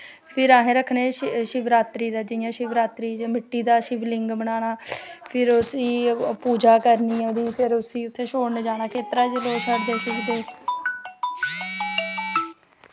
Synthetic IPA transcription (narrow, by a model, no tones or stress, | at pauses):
pʰɪɾaːɦẽːɾəkʰɳeːʃɪʋɾaːt̪ɾiːd̪aːd͡ʒɪjãːʃɪʋɾaːt̪ɾiːd͡ʒmɪʈːiːd̪aːʃɪʋlɪŋɡbəɳaːɽaːpʰɪɾʊsiːpuːd͡ʒaːkəɾnĩːod̪iːpʰeɾʊsiːʊt̪ʰːeːʃoːɽned͡ʒaːnaːkeːt̪ɾaːd͡ʒəloːt͡ʃʰəɽd̪eːʃɪkd̪eː